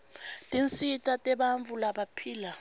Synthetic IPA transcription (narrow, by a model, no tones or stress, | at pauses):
tʼint͡sʼitʼatʼɛɓaɱvulaɓapʰiːla